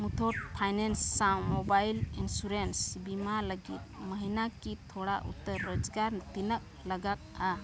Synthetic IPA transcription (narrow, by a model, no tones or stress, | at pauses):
mut̪ʰɔt̪̚pʰajnɛnsːawmɔbajlinsuɾensibimaləɡḭt̪̚məɦinakit̪ʰɔɽaʔṵt̪əɾːɔd͡ʒɡaɾt̪inək̚laɡak̪a